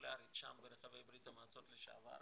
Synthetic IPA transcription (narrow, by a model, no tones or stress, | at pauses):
leaɾit̪ʃambeɾeχavejbɾit̪hamaat͡so̞t̪leʃa̰va̰ɾ